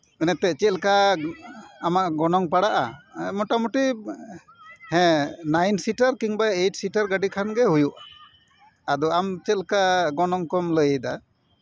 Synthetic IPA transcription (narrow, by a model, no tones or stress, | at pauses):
ənɛt̪ɛt͡ʃɛlka | amaʔɡɔnɔŋpaɽaʔamɔʈamuʈi | hɛ̃najnsiʈaɾkiŋbajeʈsiʈaɾɡaɖikʰanɡɛɦujuʔaː | d̪ɔamt͡ʃɛlkaɡɔnɔŋkɔmləjejd̪a̰